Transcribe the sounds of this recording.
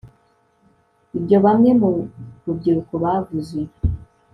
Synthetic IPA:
ibjo̞βamŋe̞muɾub̚ɟiɾukoβavuze

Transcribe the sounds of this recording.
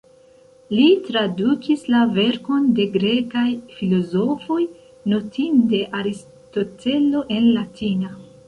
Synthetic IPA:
litɾadukislave̞ɾko̞nde̞ɡɾe̞kajfilo̞zo̞fo̞j | no̞tʰinde̞ʔaɾis | to̞te̞lo̞ʔe̞nlatina

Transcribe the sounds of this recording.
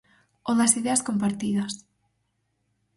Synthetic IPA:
onɐsiðeaskomp̬aɾt̪iðɐs

